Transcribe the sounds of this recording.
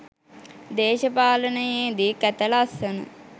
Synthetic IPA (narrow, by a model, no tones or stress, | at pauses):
d̪eːʃɐpaːlənəjeːd̪ikæt̪ɐlasɐnṵ